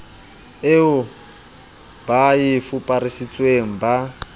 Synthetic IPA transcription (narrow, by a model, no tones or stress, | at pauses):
eʊ | bajifupʼarisit͡sʼweŋ̩ba